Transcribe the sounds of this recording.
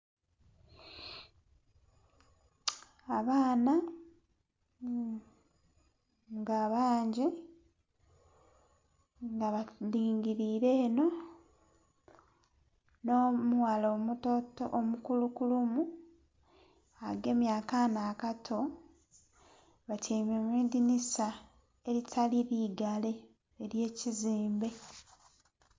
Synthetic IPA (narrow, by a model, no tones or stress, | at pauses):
aβaːna | ŋɡaːβaːɲɟe | ŋɡaβaliːŋɡiɾiːɾe̞ːno̞ | noːmuwalomutotoʔomukulukulumu | aɡe̞ːmjaːkanaːkatʰo̞ | βateːmemidinisa | eɾitʰaliɾiɡale̞ː | ɾje̞ːciziːmbe̞